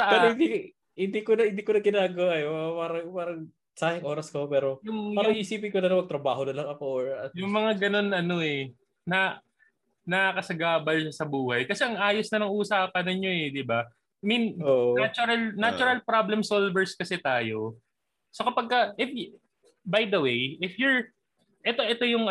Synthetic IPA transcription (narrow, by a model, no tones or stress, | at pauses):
sɐʔɐhɪnd̪i | hɪnd̪iːkonɐhɪnd̪iːkonɐɡ̚kɪnaːɡɐwjpaːɾɐŋpaːɾɐŋ | saːhɪŋʔoːɾɐskɐopɛːɾo̞jʊŋmɐʊɐŋʔiːsiːpɪŋkonɐnɐmɐɡ̚t̪ɾɐbaːɦonɐlɐŋɐkoʔoɹɐjʊŋmɐŋaɡɐno̞nɐno̞ʔɛ | nɐ | nɐkɐsɐɡaːbɐlʃɐsɐbuːhɐjkɐsɛʔɐŋʔaːjosnɐnɐŋʔuːsaːpɐnɪɲːo̞ɛd̪ɪba | minonat͡ʃʊɾɐlnat͡ʃʊɾɐlpɾablɛmsolvɛɹskɐsɛt̪aːjo̞ | sokɐpɐɡ̚kɐʔɪf | bajd̪ɐwejʔɪfjʊɹ | ʔɛt̪o̞ʔɛt̪o̞jʊŋ